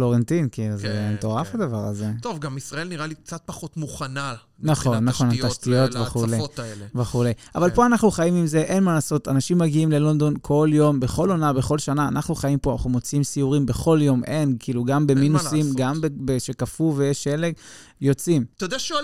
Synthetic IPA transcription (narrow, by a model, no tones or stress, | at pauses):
lo̞ʁent̪inkiːluzemet̪o̞ʁafad̪avaʁaze̞tovɡamisʁaelniʁalik̚t͡sat̪̚paχot̪muχana | naχo̞nːaχo̞nataʃt̪io̞t̪veχuleelveχule̞jʔavalpo̞anaχnuχajimimze̞ʔe̞nmalaːso̞t̪anaʃimːaɡiimle̞lo̞nd̪o̞nkʰo̞ljo̞mbe̞χo̞lo̞nabe̞χo̞lʃanaːnaχnuχajimpoana̰χnumo̞t͡simsiuʁimbe̞χo̞ljo̞mʔe̞nkiːluɡambe̞minusimɡambebeʃekafuvejeʃeleɡ | jo̞t͡simt̪od̪aaʃ